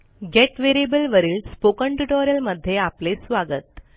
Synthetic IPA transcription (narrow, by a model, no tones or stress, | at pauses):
ɡeʈʋeɾiebəlʋəɾiːlspokəɳʈuʈoɾjəlməd̪ʱːjeaplesʋaɡət̪̚